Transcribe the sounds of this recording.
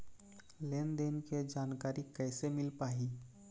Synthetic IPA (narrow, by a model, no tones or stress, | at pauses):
leːnd̪enked͡ʒaːnkaːɾikɛɪsemɪlpaːɦi